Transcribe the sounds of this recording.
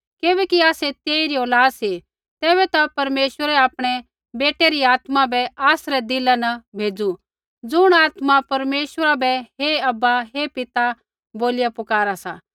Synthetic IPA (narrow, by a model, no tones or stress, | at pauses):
keːbɛːkiaːset̪eːiɾioːlaːd̪si | t̪ɛːbɛt̪apɐɾmeːsəɾɛaːpɽ̃ɛ | beːʈeɾiaːt̪mabɛaːsɾɛd̪ɪlanɐbʱeːd͡zu | d͡zʊɽ̃aːt̪mapɐɾmeːʃwəɾabɛɦeɐbːaɦepɪt̪a | boːlɪjapʊkaːɾasaː